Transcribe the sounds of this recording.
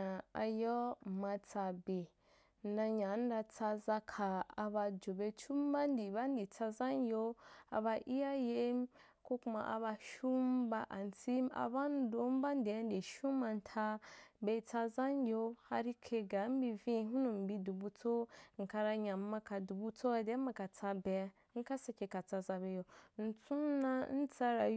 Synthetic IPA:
a˨a̰˨jɔ˦ma˨t͡sa˨be˨ | n̩˦da˧ɲa˨˦n̩˦da˧t͡sa˧za˦kʰa˨a˨ba˧d͡ʒo˨be˦t͡ʃu˦m˦ba˦n˦di˨ba˦n˦di˨t͡sa˦za˦n˦jo˦a̰˨ba˧ʔi˦ja˦je˦m | ko˦ku˦ma̰˨ʔa̰˨βa˧ʃu˦mba˦ʔa˨n˨t͡si˦ma̰˨ba˦n˦do˨˦m˦ba˦n˦de˨˦n˦de˨ʃu˦ma˨n̩˨tʰa˦be˦t͡sa˧za˦n˦jʲo˦ha˦ɾi˦kʰe˧ɡa˨˦m̩˦bi˧vĩ˦ɦu˦nu˨m̩˨bi˧du˨bu˧t͡so˦ŋ̩˨ka˧ɾa˧ɲa˨m̩˦ma˦ka˨du˨bu˦t͡so˦a˨de˨˦ma˨ka˨t͡sa˧bɛ˨˦ŋ̩˦ka˦sa˨kʲe˨ka˨t͡sa˧za˧be˨˦jo˨n̩˨t͡su˦na˦n̩˦t͡sa˦ɾa˨

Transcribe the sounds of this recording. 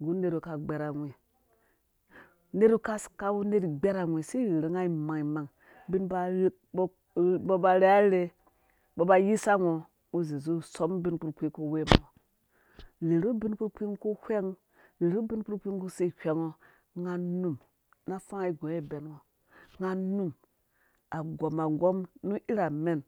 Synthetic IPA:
ɡu˨˦ne˨ɾu˨ka˨ɡ͡be˨ɾa˨ŋʷi˨ | ne˦ɾu˦ka˦ska˦wu˦ne˦ɾi˨ɡ͡be˦ɾa˨ŋʷi˨si˦ɾɾe˨ŋa˦i˨ma˨ŋi˨ma˨ŋ | bi˦nba˨ɾ̚ | b | bo˦ba˨ɾe˦a˦ɾe˦ | bo˨ba˦ji˦sa˦ŋo˨ | u˦zi˨zu˦˨so˦mbi˦nk͡pu˦ɾk͡pi˦ko˨we˦mo˨o˨ | ɾe˨ɾu˦bi˦nku˦ɾk͡pi˦ŋku˦hʷe˦ŋ | ɾe˨ɾu˦bi˦nk͡pu˦k͡pi˦ŋ˦ku˦si˦˨hʲʷe˦ŋo˦ | ŋa˦nu˦m | na˦fa˦ŋa˨i˨ɡo˨˦e˦˨be˨nwo˨ | ŋa˦nu˦m | a˨ɡo˨ma˨ɡo˦mnu˦ʔi˦ɾa˨me˦n

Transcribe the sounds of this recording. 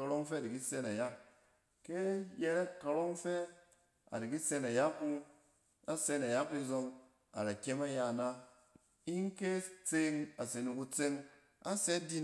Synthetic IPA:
a˧ɾo˦ŋ˦fe˦a˨i˨ki˦se˦na˨ja˦ | ke˦je˦ɾe˦kːa˧ɾo˦ŋ˦fe˦ | a̰˨ɾi˨ki˦se˧na˨ja˦ku˧ | a˦se˧na˨ja˦k̚ɾi˧zo˧ŋ | a̰˨ɾa˨kʲe˦ma˦ja˨na˦ | i˦ŋ˦ke˦t͡se˦˧ŋa˨se˨nu˧ku˧t͡se˧ŋ | a˦se˦di˦

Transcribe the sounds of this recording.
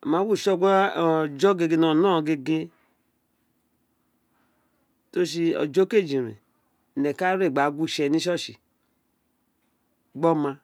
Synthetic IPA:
ma˨˦wu˦˨ʃɔ˦˨ɡd͡ʒɔ˦ɡe˧ɡe˧no˨nɔ˦˨ɡe˧ɡe˧ | to˦ʃ̬i˧ɔ̰˨d͡ʒo˦ke˦˨d͡ʒi˨ɾḭ˨ | nɛ˨ka˦ɾe˦˨ɡ͡ba˨˦ɡʷu˦˨ʃɛ˨ni˦ʃɔ˦ʃi˨ | ɡ͡bɔ˦ma˧

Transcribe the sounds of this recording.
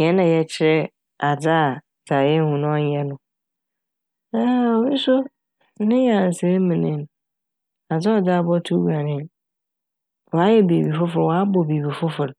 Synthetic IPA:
ɲ˨ɛ̃˨˦nã˨jɛ˨t͡ɕʰɪ˦ɾɛ˦ | a˨d͡za˦˨ | sʰa˨jɛ˦hũ˨nʊ̃˦ɔ˦ɲ˦ɛ̃˦nʊ̃˨ | ɛ˦ɔ˨mi˦sʊ˦ | nɪ̃˦jã˨n˨sɛ˦mĩ˨nɪ̃˦n˨ | a˨d͡za˦ɔ˨da˦˨bɔ˦tʰu˦wa˨nɪ̃˦˨n | wɔ˨a˦jɛ˦be˨bi˨fʊ˦fʊ˨ɪ˨wɔ˨a˦bɔ˨be˨bi˨fʊ˦fʊ˨ɾ

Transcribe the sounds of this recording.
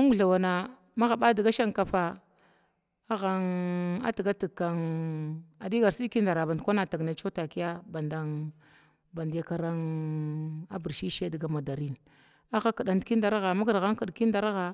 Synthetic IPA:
a˦ŋɡu˨ɮa˨wa˨na˨ | ma˦ɣa˨ba˦di˨ɡa˦ʃa˦ŋka˨fa˨ | a˦ɣa˨ŋa̰˦ti˨ɡa˦ti˨ka˨ŋ | a˨di˦ɡa˨ɾsi˦ki˦nda˨ɾa˨ba˨ndkʷa˦na˨ta˨ɡna˨t͡ʃo˦ta˨ki˦ja˦ba˨nda˨ŋ | ba˨ndi˨ja˨ka˨ɾa˦ŋ | a˦bi˨ɾʃi˦ʃe˦di˨ɡa˨ma˨da˨ɾi˦n | a˦ɣa˦ka˨ɗa˨ndki˦n˦da˦ɾa˦ɣa˨ma˦ɡa˨ɾɣa˦ŋku˨dki˦nda˦ɾa˦ɣa˨

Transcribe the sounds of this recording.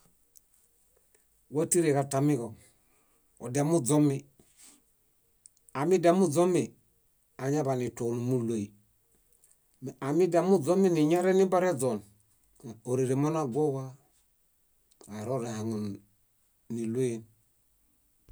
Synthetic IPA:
wa˦ti˦ɾeka˨ta˨mi˦ko˨ | o˨da˨mu˦d͡ʒo˦mi˨ | a˨mi˦damu˦d͡ʒo˦mi | a˨ɲa˦ba˨ni˨to˨numu˦lo˨i˨ | me˨a˨mi˦da˨mu˦d͡ʒo˦mi˦ni˨ɲa˦ɾe˦ni˦ba˦ɾe˦d͡ʒo˨n | o˨ɾe˨ɾe˨mo˦na˦ɡʷo˦wa˦ | ka˨ɾo˦ɾe˨ha˨ŋo˨n | ni˨lo˦je˨n

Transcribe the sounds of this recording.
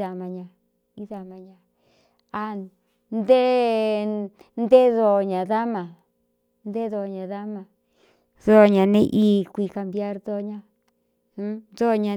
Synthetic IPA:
a˨mã˧ɲã˧ | i˦ða˧mã˧ɲã˧ | a˧ | nd̪e˦ | nd̪e˦ðo˧˨ɲã˨ða˦mã˨ | nd̪e˦ðo˧˨ɲã˨ða˦mã˧˨ | ðo˦˨ɲã˨nẽ˦ʔi˦kʷi˧ka˧mbja˦ɾðo˦ɲã˧ | ũ˦ðo˦˨ɲã˧

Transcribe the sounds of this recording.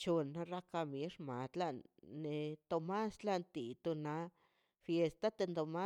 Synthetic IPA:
t͡ʃo˨˧nːa˧ɾa˦ka˧me˧˦ʂma˨d̪la˦˧ʔnːe˧t̪o˧ma˦sla˦nt̪i˨t̪o˧na˧˦ | fje˧st̪a˦t̪e˧nd̪o˧ma˦

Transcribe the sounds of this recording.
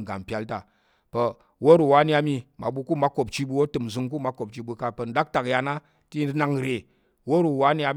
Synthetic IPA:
ɡa̰˨m˨pʲa˧lta˨ | pɐ˧ | wo˦ɾu˨wa˦n˦a˧˦mi˧ma̰˨ɓu˧ku˦ma˨˦ko˨p̚t͡ʃi˧˦bu˧wo˦tɨ˨mzɨ˧ŋk̬u˦ma˦ko˨p̚t͡ʃi˧ɓu˧ka˧pə˨n̩˦da˦k̚ta˨kja˧na˦ | ti˦na˧ŋɾe˨ | wo˦ɾu˨wa˦ni˦a˧

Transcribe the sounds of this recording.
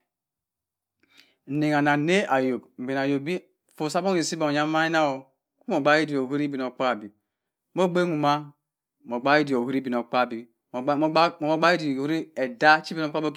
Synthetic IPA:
ne˨ŋ˨a˨na˨ne˦a˨jo˨bm̩˨be˨n˨a˨jo˨bi˦˨ | fo˨sa˦bo˦e˨si˦bo˨ja˦ma˦i˦na˦o˨ | ku˦mo˨ɡ͡ba˦i˦di˨o˨ɦu˦ɾi˦bi˨n˨o˨k͡pa˦˨bi˨ | mo˦ɡ͡be˦ŋu˨ma˦ | mo˨ɡ͡ba˦i˦di˨o˨hu˦ɾi˦bi˨no˨k͡pa˦˨bi˨˦˨ | ɡ͡ba˦i˦di˨u˦ɾi˦e˨da˦t͡ʃi˦bi˦no˦k͡pa˦bo˦

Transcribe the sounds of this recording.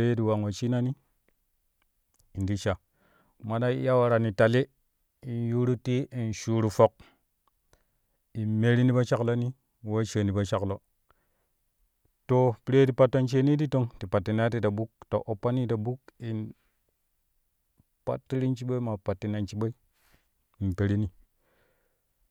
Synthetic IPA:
e˦jdi˨wa˨ŋwa˨t͡ʃi˦na˦ni˦ | i˨ndi˦ʃa˨ | ma˨da˦ḭ˦ja˦wa˨ɾa˨ni˨ta˨li˦ | i˨nju˦ɾu˦ti˦ʔi˨nʃu˨ɾu˨fo˨k̚ | i˨me˦ɾi˦ni˦ba˦t͡ʃa˦klo˦ni˦ | wa˦t͡ʃə˨ni˨ba˦t͡ʃa˦klo˨ | to˨pi˨˦ɾe˦ti˨pa˨tːo˦nt͡ʃe˦ni˦di˦to˦ŋti˨pa˨tːi˨na˦ti˦da˨bu˦k̚to̰˨ʔo˨pːa˦ni˦da˨bu˦ki˨n | pa̰˦tːi˦ɾi˦nt͡ʃi˦ɓo˦i˦ma˨pa˨tːi˨na˨nt͡ʃi˦ɓa˦i˦ | i˨te˨ɾi˦ni˨

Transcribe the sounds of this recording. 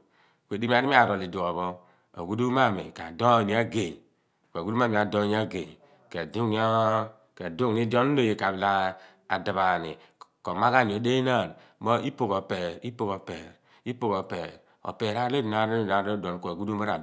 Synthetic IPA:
kʷe˨di˦m˦a˦di˦i˦a˨ɾo˨li˨du˨o˨βo˦ | a̰˨ɡu˦du˦ma˦˨mḭ˨ka˨do˦˨ni˨˦a˦ɡe˨ɲ˨ | kʷːɡu˦u˦a˦mi˨a˨do˦ni˦a˦ɡe˨ | ke˨du˦ŋ˦a˦ | ke˨du˦ŋni˦do˦n˦o˦˨je˨ka˨bi˨la˦ | a˨da˨βa˨nḭ˨ | ko˨ma˦ka˦ni˨o˨˦de˦na˦˨n | mo˦ʔi˦pu˦˨ko˨pe˨i˦pu˦ko˨pe˨ɾ | i˦pu˦ko˨pe˨ | o̰˨pe˨ɾa˦le˦di˨na˨ɾi˨n˨a˨ɾo˦do˨n˨kʷo˨ɡu˦du˦ma˦ɾa˨

